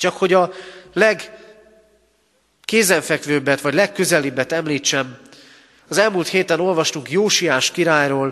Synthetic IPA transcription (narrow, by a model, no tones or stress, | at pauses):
t͡ʃɒkho̞ɟɒlɛɡ | keːzɛɱfɛkvøːbːɛt̪ʋɒɟlɛkːø̞zɛlibːɛt̪ɛmliːt͡ʃːɛm | ɒzɛlmuːlt̪heːt̪ɛno̞lvɒʃt̪uŋkjoːʃijaːʃkiɾaːjroːl